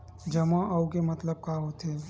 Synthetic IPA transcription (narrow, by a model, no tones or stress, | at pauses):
d͡ʒɐmãʔɐukemɐt̪ləb̚kaɦot̪eː